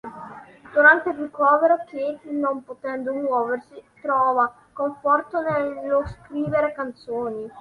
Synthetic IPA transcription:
d̪uɾant̪erikɔːveɾokjet̪inompot̪ɛnd̪omwɔːversit̪ɾɔːva | koɱfɔrt̪onelːoskɾiːveɾekant̪soːni

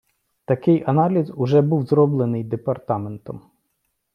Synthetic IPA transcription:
t̪ɐkɪjʔɐnɑlʲizʊʒɛbuwzɾɔblˠenɪjd̪epɐrt̪ɑment̪ɔm

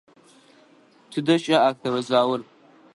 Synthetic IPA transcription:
tʰɨdɐʃʼɐaːk̚θʰɐwɐzaːwʊr

